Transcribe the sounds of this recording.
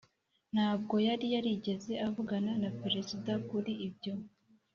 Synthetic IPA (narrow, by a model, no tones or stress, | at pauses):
n̥haːb̚ɡo̞jaɾijaɾiɟe̞ze̞ʔavuɡananapeɾe̞zidakuɾiibɟo̞